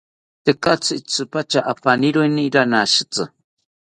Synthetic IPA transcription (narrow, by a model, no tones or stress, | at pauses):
t̪ekat͡sɨit͡sɨpat͡ʃaʔafaniɾuiniɾanaʃɨt͡sɨ